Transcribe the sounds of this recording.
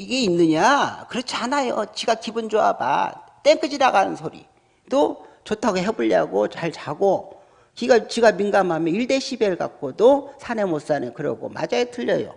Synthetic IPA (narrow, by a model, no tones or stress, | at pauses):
iɡe̞inːɯɲakɯɾʌt͡ɕʰianajot͡ɕiɡakibɯnd͡ʑoa̰ba̰t͈eŋk͈ɯd͡ʑiɾaɡanɯnsʰoɾḭ | dot͡ɕotʰaɡeɦebuʎːa̰ɡot͡ɕaɭt͡ɕaɡo | kiɡat͡ɕiɡaminɡamamjʌiɭde̞ɕʰibeɭka̰k̚k͈odosʰanemos͈anɯkɯɾʌ̰ɡo̰ma̰d͡ʑaetʰɯʎːʌjo̰